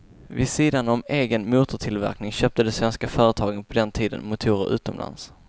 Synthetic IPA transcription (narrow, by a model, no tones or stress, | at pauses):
vɪsiːd̪anɔmeːɡənmuːt̪ʊʈʰɪlvæ̰ɾknɪŋɕøːp̚t̪əd̪ɛsvɛnskafœːɾət̪ʰɑːɡənpʰɔd̪ɛnt̪ʰiːd̪ə̰nmʊt̪ʰuːɾəɾʔʉ̟ːt̪ɔmla̰ns